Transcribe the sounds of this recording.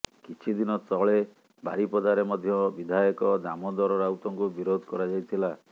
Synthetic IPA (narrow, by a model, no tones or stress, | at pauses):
kit͡ʃʰid̪inɔt̪ɔɭe | ba̰ɾipɔd̪aɾemɔd̪ʱjɔbid̪ʱajɔkɔd̪amɔd̪ɔɾɔɾawt̪ɔŋkubiɾod̪ʱɔkɔɾad͡ʒajt̪ʰila